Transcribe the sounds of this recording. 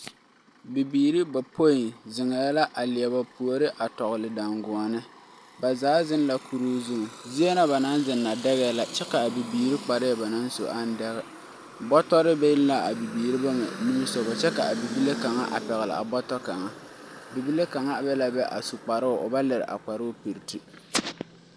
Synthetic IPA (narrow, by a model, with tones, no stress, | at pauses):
bi˨biː˨ɾi˦ba˨po˦jɪ˨nzɪ˨ŋɛ˨ja˦la˦ʔa˨lɪ˨ɛ˨ba˨pu˨o˨˦ɾɪ˦ʔa˨tɔ˨ɣɨ˨lɪ˨da˨ŋɡʊ˨ɔ˨nɨ˦ | ba˨zaː˨˦zɪ˦nla˨kʰu˨ɾuː˦zu˦ŋ˨zi˦e˦na˦ba˨na˦nzɪ˨nːa˨dɛ˦ɣɛː˦la˨t͡ʃɛ˦ka˨bi˨biː˨ɾi˦k͡pa˨ɾɪ˦jɛ˨ba˨na˦nso̰˨ʔa˦n˦dɛ˦ɣɛ˨ | bɔ˦tɔ˦ɾɪ˦bɛ˦jɪ˦lla˦a˨bi˨biː˨ɾi˦ba˦mɛ̰˨ni˦mi˦so˨bʊ˨t͡ʃɛ˦ka˨a˨bi˨bi˦le˦ka˨ŋa̰˦ʔa̰˨pɛ˨ɣɪ˨lɪ̰˨ʔa̰˨bɔ˦tɔ˦ka˨ŋa˦bi˨bi˦le˦ka˨ŋa˦˨bɛ˦la˨bɛ˦ʔa̰˨su˨k͡pa˨ɾɨ˦ʊ˨ʔʊ̰˨ba˦lɪ˨ɾɪ̰˨ʔa̰˨k͡pa˨ɾʊ˦pi˨ɾti˦